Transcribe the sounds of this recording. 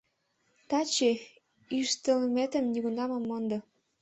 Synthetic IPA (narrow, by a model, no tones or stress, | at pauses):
t̪ɑt͡ɕe | yʃt̪ə̆lmet̪ə̆mniɣunɑmə̆mːond̪ɤ